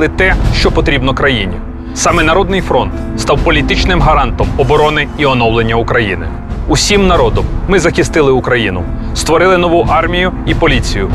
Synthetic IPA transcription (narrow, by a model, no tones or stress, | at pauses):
lˠɪt̪ɛʃt͡ʃɔpɔt̪ɾʲibnɔkɾɐjinʲi | sɑmɛnɐɾɔd̪nɪjfɾɔnt̪ | st̪ɑwpɔlʲit̪ɪt͡ʃnɪmɦɐɾɑnt̪ɔmɔbɔɾɔnɪiɔnɔwlˠenʲːɐʊkɾɐjinɪ̰ | ʊsʲimnɐɾɔd̪ɔmːɪzɐxʲɪst̪ɪlˠɪʊkɾɐjinʊ̰ | st̪ʋɔɾɪlˠɪnɔʋuʔɑrmʲijʊipɔlʲit͡sʲijʊ